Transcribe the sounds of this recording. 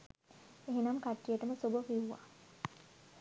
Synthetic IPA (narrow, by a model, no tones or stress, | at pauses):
eɦenamkaʈːijəʈəməsobəfiuʋa̰